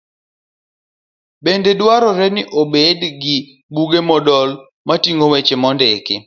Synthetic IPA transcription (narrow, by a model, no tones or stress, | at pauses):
bendedwaɾɔɾɛnɪʔobedɡɪ | buɡemɔdɔl | matiŋɡowet͡ʃemɔndekɪ